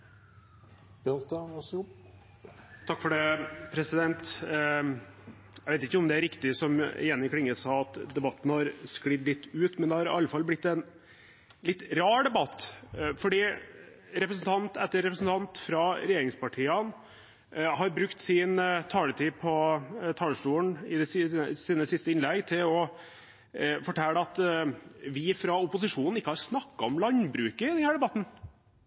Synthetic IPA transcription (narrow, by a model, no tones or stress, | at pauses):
bɛlt̪ə | t̪ʰɑkːfɔɖɛpʰɾɛsɪd̪ɛnt̪ | æɛʋeɪt̪ɪçːəɔmd̪ɛæɾɪkt̪ɪsɔmɪ̰jɛnːɪkʰɽɪŋːəsɑːɑt̪d̪ɛbɑt̪ːn̩hɑɾsklɪd̪lɪt̪ːʉːt̪mɛnd̪ɛhɑɾɪ̰ɑlːəfɑlːblɪt̪ːɛn | lɪt̪ːɾɑːɖ̪ɛbɑt̪ːfɔɖiː | ɾɛpɾəsn̩t̪ʰɑnt̪ɛt̪ːəɾːɛpɾəsn̩t̪ʰɑnt̪fɾɑɾɛjeːɾɪŋspɑʈʰiːɑn | hɑɾbɾʉkt̪sɪnt̪ʰɑːlət̪ʰiːpʰɔt̪ʰɑːləʂʈuːəɳɪd̪ɛssiːnəsɪst̪əɪnlɛɡt̪ʰɪlɔ | fɔʈʰɛləɑt̪ | ʋɪfɾɑʊpʊsɪʂuːnn̩ɪkːəhɑɾsnɑkːɑɔmlɑnbɾʉːkəɪd̪ɛnhæːɖɛbɑt̪n̩